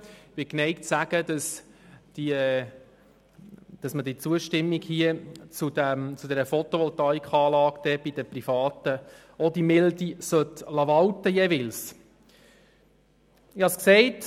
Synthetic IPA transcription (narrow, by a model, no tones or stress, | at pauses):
ʋɪknɛɪktsæɡ̥əd̪ɑsd̥i | d̪̥ɑsmədit͡suəʃtɪmːiɡhiət͡sud̪æmt͡sud̪ɛɾəfɔt̪oʋɔlt̪ɑikχɑːlɑːɡd̥̪ɛb̥id̪əprifɑːt̪ə | ɔd̥̪imɪldisœtlɑʋɑwtəjɛvɪls | ɪhɑsksɛɪt